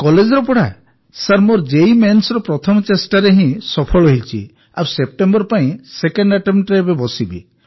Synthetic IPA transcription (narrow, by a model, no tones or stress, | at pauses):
kɔled͡ʒɔɾɔpɔɽa | saɾmoɾd͡ʒejmensɔɾɔpɾɔt̪ʰɔmɔt͡ʃesʈaɾeɦĩsɔpʰɔɭɔɦit͡ʃʰḭ | aɾwsep̚ʈembɔɾpaĩsekeɳɖaʈemʈɾebebɔsibḭ